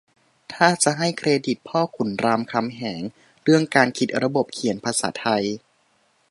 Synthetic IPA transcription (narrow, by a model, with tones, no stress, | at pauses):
t̪ʰaː˥˩t͡ɕa˨˩ɦa˥˩jkʰɾeː˧di˨˩t̪̚pʰɔː˥˩kʰu˩˦nɾaː˧mkʰa˧mɦɛː˩˦ŋ | ɾɯ˥˩əŋkaː˧nkʰi˨˩t̪̚ɾa˧bo˨˩p̚kʰi˨˩˦npʰa˧sa̰ː˩˦t̪ʰa˧j